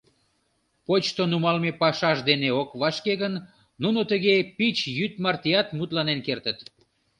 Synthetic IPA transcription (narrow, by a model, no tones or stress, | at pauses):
pot͡ɕt̪onumɑlmepɑʃɑʒd̪eneokβɑʃkeɣənː | unot̪əɣepit͡ɕjyt̪mɑrt̪ijɑt̪mut̪lɑnenkert̪ət̪